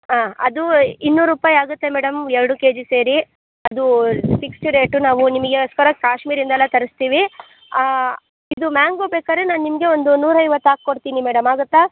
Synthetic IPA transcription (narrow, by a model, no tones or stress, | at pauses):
aːɐ̰d̪uinːuːɾuːpaːjaːɡut̪ːe̞mɛːɽɐmɛɾɐɽukeːd͡ʒise̞ːɾi | ɐd̪upʰikst͡ʃuɾeːʈunaːʋunimɐɡe̞ɔskɐɾɐkaːʃmiːɾind̪ɛlːɐt̪ɐɾist̪iːʋi | a | id̪umaːŋɡoːbeːkaːɾenaːnnimɐɡe̞ond̪unuːɾɐjʋɐt̪ːaːk̚koɽt̪iːnimɛːɽɐmaːɡut̪ːa